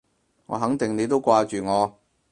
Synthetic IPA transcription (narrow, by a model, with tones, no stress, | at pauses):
ŋɔ̰ː˨˧ɦɐ˨˥ŋt̪ɪ˨˩ŋne˨˧t̪o˥wkʷaː˧t͡ʃyː˨ŋɔː˨˧